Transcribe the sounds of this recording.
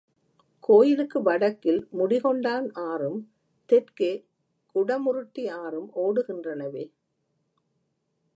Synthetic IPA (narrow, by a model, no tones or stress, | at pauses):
kʰoːjɪlɯkːɯʋɐɽɐkːɪlmʊɽɪɣɔɳɖaːnaːɾɯm | t̪ɛrkeː | kʊɽɐmʊɾɯʈːiaːɾɯmoːɽɯɣɪndrɐnɐʋeː